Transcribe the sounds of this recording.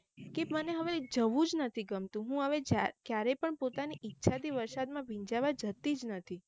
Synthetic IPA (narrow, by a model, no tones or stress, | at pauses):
keməneɦəʋed͡ʒəʋũd͡ʒnət̪ʰiɡəmt̪ũɦũɦəʋed͡ʒakjaɾɛpəɳpot̪aniʔːtːʃʰad̪iʋəɾsad̪mãbʱĩɲd͡ʒaʋad͡ʒət̪id͡ʒnət̪ʰi